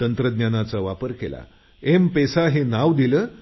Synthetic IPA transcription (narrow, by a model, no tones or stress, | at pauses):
t̪ənt̪ɾəd̪njanat͡saʋapəɾkḛla̰ | empesaɦenaʋd̪iləː